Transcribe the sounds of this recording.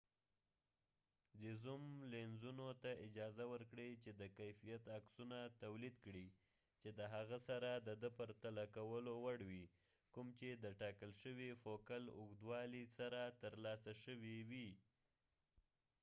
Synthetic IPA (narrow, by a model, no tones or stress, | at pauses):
d̪əzumlenzunot̪aʔɪd͡ʒɑzawəɾkɽit͡ʃed̪əkajfijat̪aksunat̪awlid̪kɽi | t͡ʃed̪əɦaɣasaɾad̪əd̪əpaɾt̪alakawəlowaɽwi | kumt͡ʃed̪əʈɑkəlʃəwifokalʊɣd̪wɑlisaɾat̪əɾlɑsaʃəwiwi